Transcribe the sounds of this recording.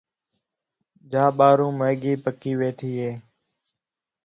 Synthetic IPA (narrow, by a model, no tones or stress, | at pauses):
d͡ʒaːɓaːɾũːməːɡiːpəkiːʋeːʈʰiːɦeː